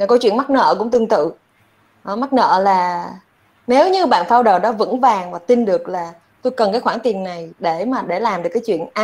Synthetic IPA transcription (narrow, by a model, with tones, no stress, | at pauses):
ko˨˦t͡ɕwḭ˧˨ənma˦˥t̚nə̰ː˧˨kʊ̰˧˥ŋ͡mt̪ɨ˧əŋt̪ɨ̰˧˨ | ʔma˦˥t̚nə̰ː˧˨laː˨˩ | ne˨˦wɲɨ˧ɓa̰ː˧˨nfaː˧wɗəː˨˩ɗɔ˨˦vɨ̰˧˥ŋvaː˨˩ŋvaː˨˩t̪i˧nɗɨ˨˩ək̚laː˨˩ | t̪u˧jkə˨˩nkaː˨˦jxwaː˧˩ŋt̪i˨˩ənːa˨˩jɗe˧˩maː˨˩ɗe˧˩laː˨˩mɗɨ˨˩əkːaː˨˦t͡ɕwḭ˧˨ənʔa˧